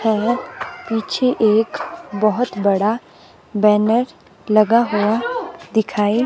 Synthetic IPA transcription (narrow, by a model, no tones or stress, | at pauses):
hɛpiːt͡ʃʰeʔeːkbəɦʊt̪bɐɽa | bɛːnəɾ | lɐɡaɦuad̪ɪkʰaːi